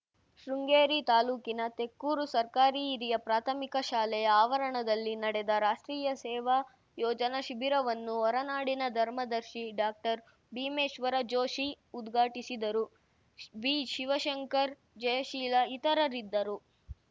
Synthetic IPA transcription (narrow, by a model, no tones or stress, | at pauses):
ʃɾuŋɡeːɾit̪aːluːkinɐt̪e̞kːuːɾusɐɾkaːɾiːɾijɐpɾaːt̪ʰɐmikɐʃaːlɛjɐaːʋɐɾɐɳɐd̪ɐlːinɐɽɛd̪ɐɾaːʂʈɾiːjɐsɛːʋɐ | jɔːd͡ʒɐnɐʃibiɾɐʋɐnːuɔɾɐnaːɽinɐd̪ʱɐɾmɐd̪ɐɾʃiɖaːk̚ʈɐɾ | biːmeːʃʋɐɾɐd͡ʒoːʃi | ud̪ɡʱaːʈisid̪ɐɾu | biːʃiʋɐʃɐŋkɐɾ | d͡ʒɐjɐʃiːlɐit̪ɐɾɐɾid̪ːɐɾu